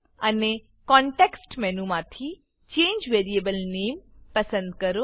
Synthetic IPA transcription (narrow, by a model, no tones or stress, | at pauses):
ɐne | kɔ̃ːɳʈeksʈmɛ̃nũmãt̪ʰi | t͡ʃẽːɲd͡ʒʋeːɾieːbəlneːmpɐsə̃nd̪̚kɐɾo